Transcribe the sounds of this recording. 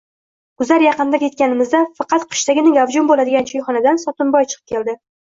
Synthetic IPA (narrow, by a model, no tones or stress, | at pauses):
ɡ̥ʊzaɾjɑqɨnd̪ajʰe̞t̪̚kʲanɪmɪzd̪afɑqʰɑt̪qʰɨ̥ʃt̪aɡʲɪnɪɡavd͡ʒʊmbolad̪ɪɡʲant͡ʃʰojχɒnad̪ansɒt̪ʊnbɒjt͡ʃʰɨ̥qʰɨ̥pkʰʲe̞ld̪ɪ